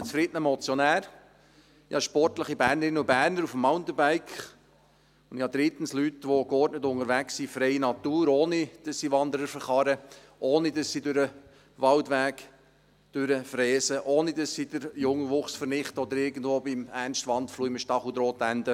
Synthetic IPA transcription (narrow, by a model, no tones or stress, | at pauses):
t͡sfɾɪdənəmɔt͡sjɔnæːɾ | ihɑʃpɔrtləχibæːɾnəɾɪnəubæːɾnəɾufəmːaʊnt̪əbæɪkχ | ʊndihɑd̪ɾit̪ən̩slytʋokɔɾtnətʊŋəɾʋæksifɾɛɪinɑt̪uːɾoːnid̥ɑsːiʋɑndəɾəɾfəχɑɾə | ʔoːnidɑsːidøɾə | ʋɑldʋæːk | d̥øɾəfrɛːsəʔoːnidɑsːid̥əɾjʊŋʋʊχsfəɾnɪχtəɔd̪əɾɪɡən̩dvoːbɪmæɾnʃtʋɑntfluːiməʃtɑχud̪ɾoːt̪ænd̥ə